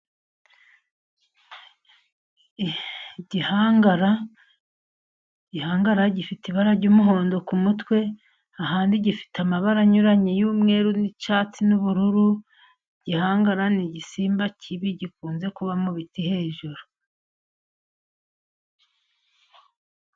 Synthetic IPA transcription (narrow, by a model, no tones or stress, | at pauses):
ɟihaɡaɾa | ɟihaːŋɡaɾaɟifitiβaɾaɾɟuːmuɦo̞ːndo̞kumutwe̞ | ahaːndiɟifi̥tamaβaɾaɲuɾaɲejuːmŋe̞ːɾunit͡ʃaːt͡sinuβuɾuɾu | iɟ̥ihaːŋɡaɾaniɟisiːmbacʰiβiɟikuːnze̞kuβamuβitihe̞ːʒuɾu̥